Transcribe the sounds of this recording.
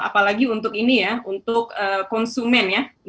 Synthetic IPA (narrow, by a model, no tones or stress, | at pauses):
a̰palaɡiunt̪ʊkinijaunt̪ʊkəːkːɔnsumɛnja